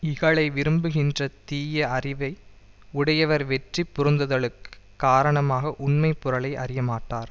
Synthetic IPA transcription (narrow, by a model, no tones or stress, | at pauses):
ɪɣɐɭɐɪʋɪɾɯmbɯɣɪndrɐt̪iːjɐːrɪʋɐɪ | ʊɽɐjɐʋɐɾʋɛʈripːʊɾɯnd̪ɐðɐɭɯkːɯ̥ | kːaːɾɐɳɐmaːɣɐʔʊɳmɐɪpːʊɾɐɭɐɪʔɐ̰rɪjɐmaːʈːaːɾ